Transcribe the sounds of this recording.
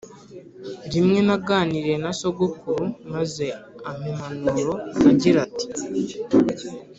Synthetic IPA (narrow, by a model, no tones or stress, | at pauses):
ndimŋe̞naɡaːniɾe̞naso̞ɡukuɾumaze̞am̥emanuɾo̞aɟiɾati̥